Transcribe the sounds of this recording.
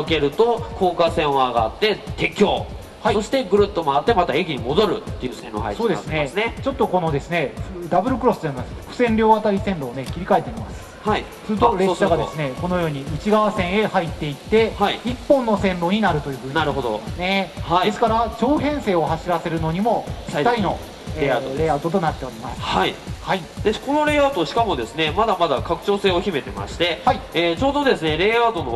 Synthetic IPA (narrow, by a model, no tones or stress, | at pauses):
oke̞ɾɯ̟t̪okʰoːkasẽ̞ɰ̃oaːɡaːt̪ːe̞t̪e̞kʲo̞ː | haisoɕi̥t̪e̞ɡɯ̟ɾɯ̟t̪ːomoat̪ːe̞mat̪aekʲiɲ̟imo̞d̪o̞ɾɯ̟̰t̪ːe̞jɯ̟sẽnɾo̰ːha̰it̪so̞ːd̪e̞sɨnesnet͡ɕo̞t̪ːo̞ko̞no̞d̪e̞sɨne̞ɸd̪abɯ̟ɾɯ̟kɯ̟ɾo̞sɨ̥t̪ansɸɯ̟̥sẽ̞nɾʲo̞ːβat̪aɾʲisẽ̞nɾo̞ːne̞kʲiɾʲikae̞t̪ːemʲimasɨ̥hai | sɨɾɯ̟t̪oɾeɕaɡad̪esɨne̞ko̞no̞jo̞ːɲ̟iɯt͡ɕiɡaβasẽ̞ɰ̃e̞hait̪ːe̞it̪ːe̞haiipːõ̞nːo̞sẽ̞nɾo̞ɲ̟inaɾɯ̟t̪o̞jɯ̟ːɸɯ̟ːɲnaɾɯ̟ɦod̪osne̞haid̪e̞sɨ̥kaɾat͡ɕo̞ːɦẽ̞ɰ̃se̞ːo̞haɕiɾase̞ɾɯ̟no̞ɲ̟imo̞t̪aɾʲino̞ | eɾe̞ːat̪o̞t̪̬o̞nat̪ːe̞o̞ɾʲimasɨ̥aihaid̪eko̞no̞ɾe̞ːat̪oɕi̥kamo̞d̪e̞sɨne̞mad̪amad̪akakɯ̟̥t͡ɕo̞ːse̞ːokʲime̞t̪e̞ma̰ɕi̥t̪e̞haiet͡ɕo̞ːd̪o̞d̪e̞sɨne̞ɾe̞ːaːt̪o̞no̰